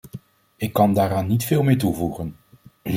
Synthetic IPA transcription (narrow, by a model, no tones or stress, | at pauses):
ɪkːɑndaːɾaːnːitfɪːlˠmeːɹtuvuχən